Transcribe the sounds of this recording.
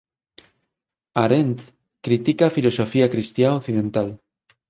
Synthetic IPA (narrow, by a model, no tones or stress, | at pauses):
aɾent̪ | kɾit̪ikafilosofiakɾist̪jaokθiðẽnt̪al